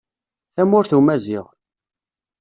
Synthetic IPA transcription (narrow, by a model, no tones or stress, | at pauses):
θæmʊɾθumæzɪʁ